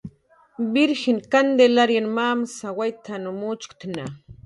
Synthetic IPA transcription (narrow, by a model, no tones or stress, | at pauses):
bɪɾxɪnkand̪elaɾjanmaːmsawajt̪ʰanʊmut͡ʃkt̪na